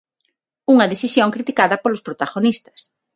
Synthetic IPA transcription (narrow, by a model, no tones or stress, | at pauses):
uŋɐðeθisjõŋkɾit̪ikaðɐpolospɾot̪aɣonist̪ɐ̥s